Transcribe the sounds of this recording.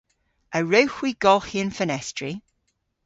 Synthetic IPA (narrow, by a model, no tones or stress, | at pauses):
ʔəɹəwxwiɡ̥ɔlˠhiə̃nfənɛstɹ̥i